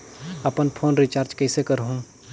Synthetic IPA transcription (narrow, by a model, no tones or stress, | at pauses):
ɐpənpʰoːnɾɪt͡ʃaːɾd͡ʒkɛsekəɾɦũː